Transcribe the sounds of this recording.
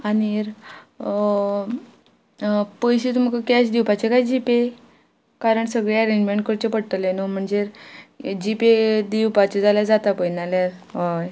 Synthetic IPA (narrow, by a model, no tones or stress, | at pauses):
aniɾ | pəjɕit̪um̤kakaɕd̪iwpat͡ɕekajd͡ʑipe | kaɾəɳsəɡɭeəɾẽɲd͡ʑmeɳʈ̚kəɾt͡ɕepəɽt̪əlenom̤əɳd͡zeɾd͡ʑiped̪iwpat͡ɕed͡zaljad͡zat̪apəjnaljaɾɦaj